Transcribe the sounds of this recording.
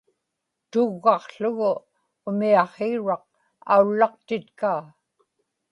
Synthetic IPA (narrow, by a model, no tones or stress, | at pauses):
t̪ʊɣːɑqɬʊɣʊ | ʊmiɑχeɻɑq̚ | a̰ulːɑqt̪ɪt̪kaː